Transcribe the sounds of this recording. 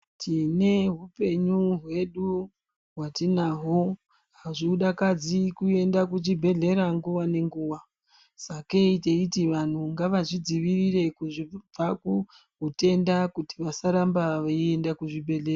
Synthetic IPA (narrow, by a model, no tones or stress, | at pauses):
tʰine̞ɦupe̞ɲuɦwe̞ɗu | ɦwatinaɦo | ɦaʐiɗakad͡zikue̞ndakut͡ʃibʱe̞ɮe̞ɾaŋɡuʋane̞ŋɡuːʋa | sake̞iteitiʋan̤uŋɡaʋaʐid͡ziʋirire̞kuʐib͡vaku | ɦute̞ndakutiʋasaɾambaʋaie̞ndakuʐibʱe̞ɮe̞ra